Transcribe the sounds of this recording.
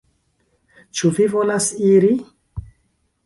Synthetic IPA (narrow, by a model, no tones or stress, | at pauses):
t͡ʃuvivo̞lasiɾi